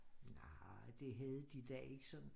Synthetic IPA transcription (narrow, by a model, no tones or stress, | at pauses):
nɑd̥e̝ɦæð̞ˠd̥id̥ɛe̝ɡ̥əsɒ̽n